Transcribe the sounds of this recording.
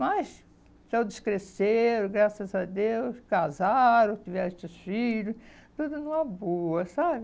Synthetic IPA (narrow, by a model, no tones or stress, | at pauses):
mɐs | kewd̪ɪskɾeseɾʊɡɾasɐzɐd̪ewskazaɾõt̪ivɛt͡ʃɪsfiʎʊt̪ud̪ʊnɐ̃w̃ɛboɐsabɪ